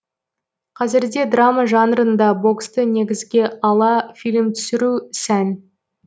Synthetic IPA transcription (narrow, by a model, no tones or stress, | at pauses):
qʰɑzɪɾd̪e̞d̪rɑmɑʒɑnɾənd̪ɑbo̞kst̪əne̞ɡʲɪzɡʲe̞ʔɑlˠɑfijlʲɪmt̪ʰʏ̥sɪɾusæn